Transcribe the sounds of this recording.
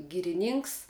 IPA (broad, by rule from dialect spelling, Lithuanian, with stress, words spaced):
ɡʲiːrʲɪˈnʲiːŋks